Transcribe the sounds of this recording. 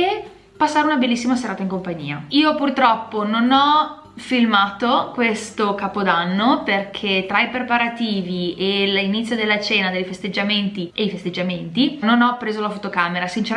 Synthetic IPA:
e | pasːaːɾeunabelːis̬ːimaseɾaːt̪aiŋkompaɲːḭːa̰iːopurt̪ɾɔpːononɔ | filmaːt̪okwest̪okaːpod̪anːoperkʰet̪ɾaipɾepaɾat̪iːvielinit̪sːjod̪elːat͡ʃɛːnad̪ejfest̪ed͡ʒːament̪iʔejfest̪ed͡ʒːament̪inonɔpːɾeːzolafot̪okaːmeɾasint͡ʃeɾ

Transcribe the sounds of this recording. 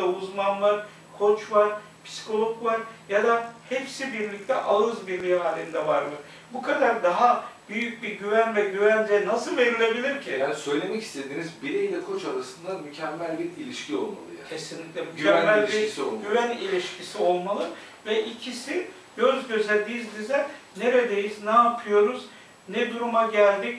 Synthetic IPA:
auzmanvˠaɾ | kʰo̞t͡ʃvaɾ | pʰsi̥kʰo̞lˠo̞kvaɾjad̪ahɛpsibiɾlʲic̚t̪ʰɛʔalˠɯzbiɾlʲijaːlʲimd̪ɛvaɾmɯ | bukʰad̪aɾd̪aɦabyjyc̚biɾɟyvænvɛɟyvænd͡ʒɛnasɯlˠve̞ɾilʲe̞bilʲiɾcʰijaːnisø̞jlʲe̞mɛci̥st̪ʰe̞d̪iːnizbiɾeilʲɛkʰo̞t͡ʃaɾasɯnd̪amycʰɛmːælʲbiɾilʲiʃcʰio̞̰lˠma̰lˠɯjaesinlʲicʲlʲɛmycæmːælʲʃiɾisiolˠmɡɟyvænilʲiʃcʰisio̞lˠmalˠɯ | vɛʔicʰisi | ɟ̥øzɟø̞zɛd̪izd̪izɛne̞ɾed̪e̞jiznɛːpʰɯjo̞ɾuz | nɛd̪uɾumaɟælʲd̪ic

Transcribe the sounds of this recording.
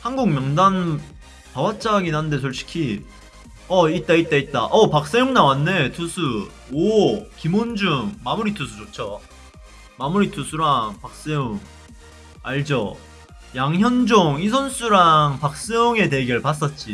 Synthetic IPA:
hanɡuŋmjʌŋdan | pawat͡ɕ͈aɡinɦannde̞t͡ɕʌɭɕʰi̥kʰi | ʌit̚t͈ait̚t͈ait̚t͈a̰ʔʌpak̚s͈ejoŋnawanːe̞tʰusʰu | okimond͡ʑuŋmamuɾitʰusʰut͡ɕot͡ɕʰʌ | mamuɾitʰusʰuɾaŋpak̚s͈ejoŋ | aɭd͡ʑo | jaŋçjʌnd͡ʑoŋisʰʌns͈uɾaŋpak̚s͈ejoŋe̞te̞ɡɯɭpas̬͈ʌt̚t͡ɕ͈i

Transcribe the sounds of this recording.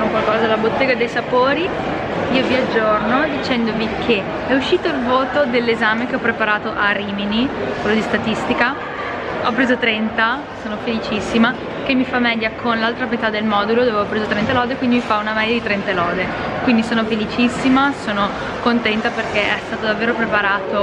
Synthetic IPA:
nokwalkɔːzalabot̪ːeːɡad̪ejsapoːɾi | iːoviad͡ʒːornod̪it͡ʃɛnd̪ovikʰe | ɛuʃːiːt̪oilvoːt̪od̪elːezaːmekeɔpɾepaɾaːt̪oʔariːminikwelːod̪ist̪at̪ist̪ika | ɔp̬ːɾeːzot̪ɾɛnt̪a | soːnofelit͡ʃisːima | k̟emːifamːɛʎːakʰonlalt̪ɾamet̪ad̪ːelmɔːd̪ulod̪oːveɔpɾeːzot̪ɾɛnt̪alɔːd̪ekwind̪imifaunamɛd̪jːad̪it̪ɾɛnt̪alɔːd̪e | kwind̪isoːnofelit͡ʃisːimasoːno | kont̪ɛnt̪aperkeʔɛst̪aːt̪od̪avːeːɾopɾepaɾaːt̪o

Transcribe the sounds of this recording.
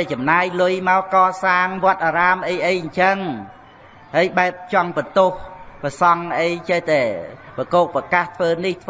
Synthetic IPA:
t͡ɕɑmnaːjlʊjmaɔkɑːsaːŋʋoət̪̚ʔaːɾaːmʔəjʔəjɲt͡ɕəŋ | həjɓaɛp̚t͡ɕɑŋpət̪ohpasɑŋʔəjt͡ɕəht̪aɛpəkoːk̚pakaːht̪ʰʋəːniht̪ʰ

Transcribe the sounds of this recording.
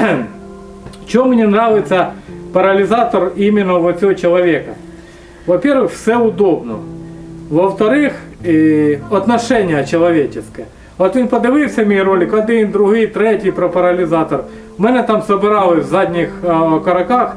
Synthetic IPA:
ft͡ɕɪomːnʲenɾaʋʲɪt̪sɐpɐɾɐlʲɪzat̪ɐrimʲɪnːɐʋɐsʲɪʋot͡ɕɪlˠɐʋʲekɐ | ʋɐpʲerʋɪxfsɛʊd̪obnɔ | ʋɐft̪ɐɾɪx | ɐt̪nɐʂɛnʲɪjɐt͡ɕɪlˠɐʋʲet͡ɕɪskɐjɛ | ot̪ʋʲinpɐd̪ɨʋɨjfʲsʲɐmʲijrolʲɪkɐd̪ɪnd̪ɾʊɦɪjt̪ɾɛtʲɪjpɾɐpɐɾɐlʲɪzat̪ɐr | mɛnɛt̪amsɐbʲɪɾalˠɪvzadʲnʲɪxkɐɾɐkax

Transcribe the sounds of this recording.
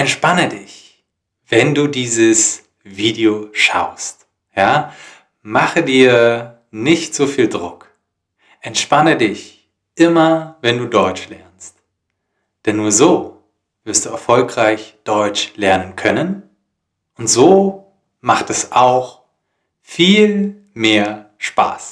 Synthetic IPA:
ʔɛntʃpanədɪç | v̥ɛnduːdiːzəs | viːdioʃa̰ʊst | jaː | maχədiːɐ | nɪçtz̥oːfiːldʁʊk | ʔɛntʃpanədɪç | ʔɪmɐvɛnduːdɔʏt͡ʃlɛɐnst | d̥ɛnːuːɐzoː | v̥ɪɐstd̥uːɛɐfɔlkʁ̥aɪçd̥ɔʏt͡ʃlɛɐnənkʰœnən | ʊntz̥oː | maχtɛsaʊx | fiːl | meːɐ | ʃpa̰ːs

